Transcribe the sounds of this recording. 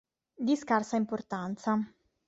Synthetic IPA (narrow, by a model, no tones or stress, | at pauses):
d̪iskarsaimport̪ant̪sa